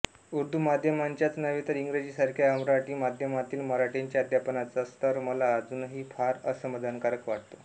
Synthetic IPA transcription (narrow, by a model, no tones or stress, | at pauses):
uɾd̪ʱumad̪ʱjəmaɲt͡ɕjat͡snəʋiːt̪əɾiŋɡɾed͡ʑiːsaɾkʰjaəmɾaʈiːmad̪ʱjəmat̪iːlməɾaʈeɲt͡ɕjad̪ʱjapnat͡sast̪əɾməlaːd͡zuːnɦiːfaɾəsəmad̪ʱankaɾəkʋaʈ̚t̪o